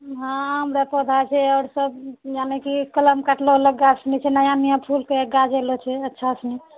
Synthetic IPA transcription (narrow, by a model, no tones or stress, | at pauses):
ɦãɦəmɾepod̪ʱat͡ʃʰɛɔʊɾsəb̚janekikələmkaʈloɦoləkɡasnit͡ʃʰɛnajanijãpʰulkeɡad͡ʒelot͡ʃʰɛətːʃʰaəsni